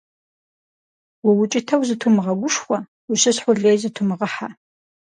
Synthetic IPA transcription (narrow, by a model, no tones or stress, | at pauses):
wʊwʊt͡ʃʼɪtʰɐwzɨtʰumɨʁɐɡʷʊʂxʷɐ | wʊɕɐɕħʷʊɮeːjzɨtʰumɨʁəħa̰